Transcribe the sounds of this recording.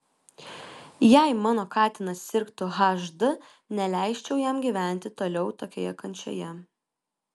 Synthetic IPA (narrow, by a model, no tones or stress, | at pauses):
jɛˑɪmɑːnoːkɑːt̪ʲɪnɐssʲɪɾkt̪ʊɣɑʒd̪ʊ | nʲɛlʲæˑɪʃʲt͡ʃʲɛʊjɛmɡʲiːʋʲæˑnʲt̪ʲɪt̪oːlʲɛʊt̪oːkʲoːjɛkɐnʲt͡ʃʲo̰jɛ